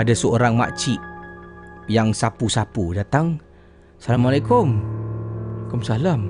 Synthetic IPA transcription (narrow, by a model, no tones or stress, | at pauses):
adasəoɾaŋma̰ʔt͡ʃiʔ | jaŋsapusapudat̪aŋ | salamalakʊm | lakʊmsalam